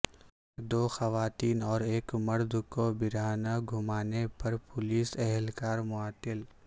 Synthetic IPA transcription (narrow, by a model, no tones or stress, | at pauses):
d̪oːxɐʋaːt̪iːnɔːɾeːkmɐɾd̪ʱkobɪɾaːnaɡʱʊmaːnepɐɾpʊliːsɛɦɛlkaːɾmʊaːt̪ɪl